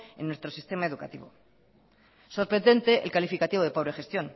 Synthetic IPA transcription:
ḛ̃nːwe̞st̪ɾo̞sist̪emaeðukat̪iβo | so̞ɾpɾe̞nd̪e̞nt̪e̞ʔḛlkalifikat̪iβo̞ð̞e̞po̞βɾexe̞st̪jo̞n

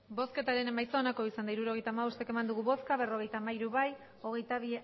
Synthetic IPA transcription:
bo̞ske̞t̪aɾe̞nemajsonako̞isand̪aiɾuɾo̞ɣ̞e̞jt̪aːmaβost̪eke̞mand̪uɣuβo̞skaβe̞ro̞ɣe̞jt̪aːmaiɾuβaj | o̞ɣe̞jt̪aβ̞i

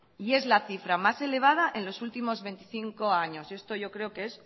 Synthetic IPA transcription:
ie̞zlaθifɾamase̞le̞β̞að̞aʔe̞nlo̞sult̪imo̞zβe̞nt̪iθiŋko̞aɲo̞se̞st̪o̞ʝo̞kɾe̞okees

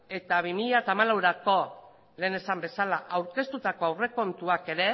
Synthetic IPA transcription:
e̞t̪aβimiʎat̪aːmalawɾako̞ | le̞ːne̞sambe̞salaʔawɾke̞st̪ut̪ako̞awre̞ko̞nt̪uake̞ɾe̞

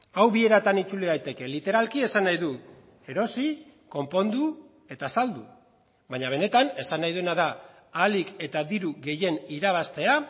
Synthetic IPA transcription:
awβie̞ɾat̪anit͡suliðajt̪e̞ke̞lit̪e̞ɾalkie̞sanːajðu | e̞ɾo̞si | ko̞mpo̞nd̪u | e̞t̪asald̪u | βaɲaβ̞e̞ne̞t̪ane̞sanːajðuenaðaː | like̞t̪aðiɾuɣe̞je̞niɾaβ̞ast̪e̞a

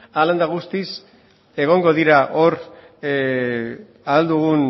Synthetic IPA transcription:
aland̪aɣust̪is | e̞ɣ̞o̞ŋɡo̞ðiɾaʔo̞ɾ | aald̪uɣ̞un

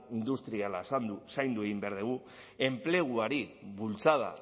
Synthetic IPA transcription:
ind̪ust̪ɾialasand̪usajnd̪ue̞ɣimbeaɾðeɣ̞u | e̞mple̞ɣ̞uaɾiβult͡saða̰

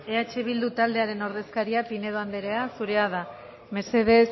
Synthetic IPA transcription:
e̞at͡ʃe̞β̞ild̪ut̪ald̪e̞aɾe̞no̞ɾðe̞skaɾiapine̞ðoand̪e̞ɾe̞asuɾe̞aða | me̞ɾse̞ð̞e̞s

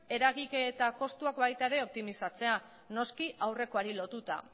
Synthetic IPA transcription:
e̞ɾaɣike̞t̪ako̞st̪uakbajt̪aeɾe̞o̞p̚t̪imisat͡se̞a | no̞skiʔawre̞ko̞aɾilo̞t̪ut̪a̰

